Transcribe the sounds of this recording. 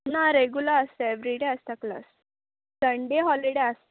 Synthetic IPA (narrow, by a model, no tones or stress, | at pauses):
naɾeɡjulaəst̪aeʋɾiɽeəst̪akla̰s | səɳɖeɦɔliɽeas